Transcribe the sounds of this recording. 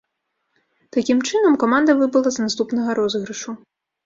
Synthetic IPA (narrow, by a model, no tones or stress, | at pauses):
t̪akʲimt͡ʂɨnɐmkɔmand̪ɐvɨbɐlˠɐznast̪upnɐɣɐɾɔzɣɾɨʂu